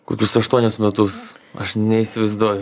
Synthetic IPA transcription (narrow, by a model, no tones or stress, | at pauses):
kʊkʲʊsɐʃt̪uɔnʲʊsmʲɛt̪ʊsɐ̰ʃnʲɛisʲɪʋɐɪzd̪uːjʊ